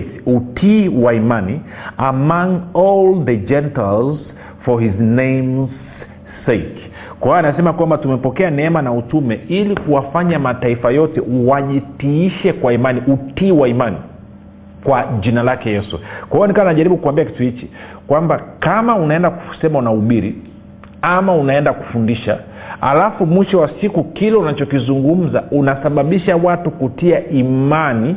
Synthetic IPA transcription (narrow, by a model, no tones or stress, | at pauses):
siutʰiwaimaniamãŋɔlðəd͡ʒɛntalz | fɔhiznẽjmzː | ek | kaanasɛmakwambatumɛpɔkɛanɛɛmanautumɛilikuwafaɲamataifajɔtɛ̰waʄitiiʃɛkwaimaniutiːwaimanḭ | kwaʄinalakɛjɛsṵkwahiɔnikawanaʄaɾiɓukuwambiaki̥tuhit͡ʃi | kwambakamaunaɛndaku̥sɛmaunauɓiɾḭ | amaunaɛndaku̥fundiʃa̰ | ha̰lafumwiʃɔwasikukilɛunat͡ʃɔkizuŋɡum̩za̰unasaɓaɓiʃawatukutiaʔimani